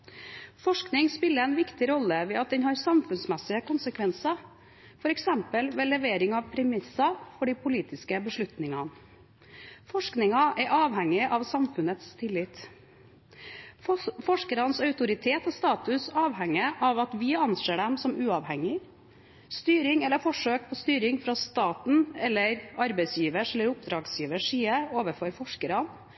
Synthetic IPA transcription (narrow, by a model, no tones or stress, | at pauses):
fɔʂknɪŋspɪlːəɛnʋɪkt̪ɪɾɔlːəʋɛːɑt̪̚d̪ɛnhɑːɾsɑmfʉnsmɛsɪəkʊnsəkʰʋɛnsɑ | fɔɾɛksɛmpəlʋeːlɛʋeːɾɪŋɑʋpʰɾɛmɪsɑfɔɖipʰʊliːt̪ɪskəbəʂɭʉt̪nɪŋɑn | fɔʂknɪŋɑʔɛɾʔɑːʋɦɛŋːɪʔɑʋsɑmfʉnət̪st̪ʰɪlːɪt̪ | fɔʂkəɾɑnsɑʉt̪ʊɾɪt̪ʰeːt̪ɔst̪ɑːt̪ʉsɑːʋhɛŋːəʔɑʋɑt̪ʋɪɑnseːɖɛmsɔmʉːɑʋhɛŋːɪ | st̪yːɾɪŋɛlːəɾfɔʂøːk̚pʰɔst̪yːɾɪŋfɾɑst̪ɑːt̪n̩ɛlːəɾɑɾbɛɪsjiːʋəʂɛlːəɾʊpd̪ɾɑːɡsjiːʋəʂiːəoːʋəɾfɔɾfɔʂkəɾɑn